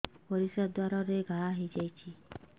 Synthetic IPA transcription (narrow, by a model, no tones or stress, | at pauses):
pɔɾisɔd̪waɾɔɾeɡʱaɦid͡ʒajt͡ʃʰi